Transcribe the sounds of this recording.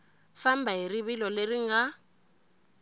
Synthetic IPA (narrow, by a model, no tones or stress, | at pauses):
fam̩baɦiriβilɔleriŋa